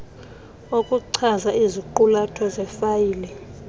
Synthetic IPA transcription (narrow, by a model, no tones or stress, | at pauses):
okʼuǀʰazaiziǃulatʰɔzɛfajiːlɛ